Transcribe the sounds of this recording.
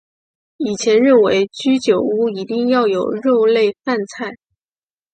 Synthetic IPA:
i˨˩t͡ɕʰjɛ˧˥nɻə˥˩nwe˧˥ɪt͡ɕy˥t͡ɕjo˨˩ʊu˥i˧˥t̪i˥˧ŋjɑ˥˩ʊjo˨˩ʊɻo˥˧ʊle˥˧ɪfa˥˧nt͡sʰa˥˩ɪ

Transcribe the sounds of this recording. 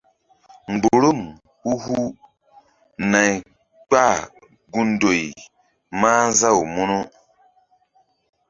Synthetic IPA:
ŋ͡mɡ͡bu˨ɾu˦˨m | hu˦hu˦ | na˨j | k͡pa˦˨ | ɡu˦ndo˨ji˨ | maː˦za˦˨wu˨mu˦nu˦

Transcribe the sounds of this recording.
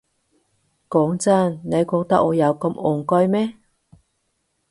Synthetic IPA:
kɔː˨˥ŋt͡sɐ˥nne˨˧jkɔː˧k̚t̪ɐ˥k̚ːɔː˨˧jɐ˨˧wkɐ˧mɔː˨ŋkɔ˥jmɛː˥

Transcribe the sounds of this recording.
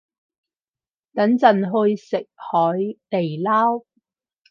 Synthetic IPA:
t̪ɐ˨˥nt͡sɐ˨nɦɵ˧ɥsɪ˨k̚hɔː˨˥jt̪e˨˩jlaː˥w

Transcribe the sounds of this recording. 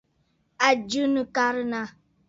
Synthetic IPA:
a˨d͡ʒu˦nɨ˨ka˦ɾɨ˦na˨

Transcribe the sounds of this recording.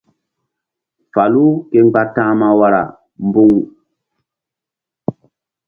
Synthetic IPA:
fa˨lu˦ke˦ŋ˦ɡ͡ba˦tãː˦ma˦wa˦ɾa̰˨ | m˦bu˦ŋ

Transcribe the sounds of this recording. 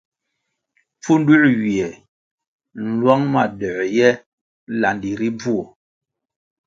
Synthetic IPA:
p͡fu˦ndu˦ʔɥi˨ɛ˨ | n̩˨lwa˦ŋma˦˨dɛ˨jɛ˦ | la˨ndi˨ɾi˦b͡vu˦o˨

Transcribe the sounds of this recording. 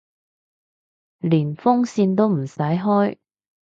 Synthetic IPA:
liː˨˩nfʊ˥ŋsiː˧nt̪o˥wm̩˨˩sɐ˨˥jɦɔː˥j

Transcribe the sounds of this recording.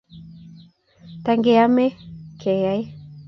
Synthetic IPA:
taŋɡea˦mɛ˦kʰe˨ja˦j

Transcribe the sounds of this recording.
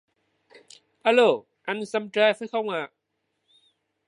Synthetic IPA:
ha˧lo˧˩ | ʔa˧nsa˧mta˧jfaː˨˦jxə˧wŋ͡maː˨

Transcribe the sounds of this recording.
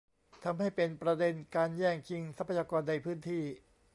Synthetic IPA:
t̪ʰa˧mha˥˩jpe˧npɾa˧de˧nkaː˧njɛː˥˩ŋkʰi˧ŋsa˦˥pʰa˧jaː˧kɔː˧nːa˧jpʰɯː˥˩nt̪ʰiː˥˩

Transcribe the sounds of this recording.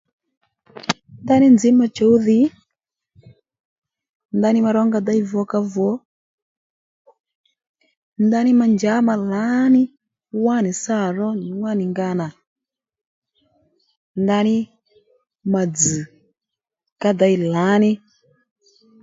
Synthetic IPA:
nda˦ni˦nzi˨˦ma˨t͡ʃɔ˨˦u˦ði˨˦ | nda˦ni˦ma˧ɾɔ˦ŋɡa˧da˦i˦vɔ˨˦ka˧vɔ˨˦ | nda˦nɪ˦ma˨nd͡ʒa˨˦ma˨la˨˦nɪ˦ | wa˦˨ni˨sa˦˨ɾɔ˦˨ŋwa˦˨ni˨ŋɡa˧na˨ | nda˧˦nɪ˦ | ma˨d͡zɨ˨ | ka˦da˨˦i˨la˨˦nɪ˦

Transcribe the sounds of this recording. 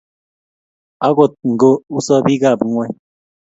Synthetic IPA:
a˦ɡo˨t̪̚ŋ̩˨ɡo˦u˦sɔ˦bi˦ɡa˦˨bŋʷɛ˦

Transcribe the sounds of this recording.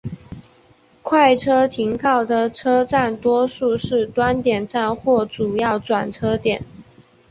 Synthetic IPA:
kʰwa˥˩ɪʈ͡ʂʰɤ˥t̪ʰi˧˥ŋkʰɑ˥˩ʊd̪ə˨ʈ͡ʂʰɤ˥ʈ͡ʂa˥˩nt̪wɔ˥ʂu˥˧ʂɻ̩˥˩t̪wa˥nt̪jɛ˨˩nʈ͡ʂa˥˧nxwɔ˥˩ʈ͡ʂu˨˩jɑ˥˩ʊʈ͡ʂwa˨˩nʈ͡ʂʰɤ˥t̪jɛ˨˩˦n

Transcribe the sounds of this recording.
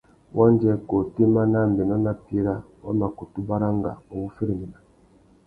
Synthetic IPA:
wʔɔ˦n˦d͡ʒɛ˦ko˨ti˦ma˦na˦˨m̩˨be˨nɔ˦na˦pi˦ɾa˦ | wa˦ma˨ko˨tu˦ba˦ɾa˦ŋɡa̰˨o˨ŋu˦fi˦ɾi˨mi˨na˨

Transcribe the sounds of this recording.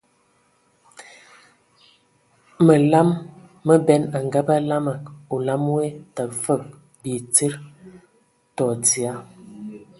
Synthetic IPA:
mə˨la˦mː | ə˦bɛ˦na˨ŋɡa˦ba˦la˦ma˨k̚o˨la˦m˦we˦ta˨fə˦˨k̚ | bi˨t͡sə˦ɾ | tɔ˨t͡si˨a˦

